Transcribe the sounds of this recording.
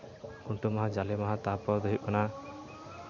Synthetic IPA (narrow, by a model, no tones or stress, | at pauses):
uɳʈumaɦãd͡ʒalemaɦãt̪apɔɾd̪ɔɦiana